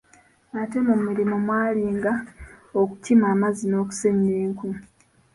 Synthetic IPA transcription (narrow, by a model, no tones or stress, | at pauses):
ate̞mumuɾimomwaːliːŋɡaoku̥timaːmazino̞ːku̥seɲeːŋku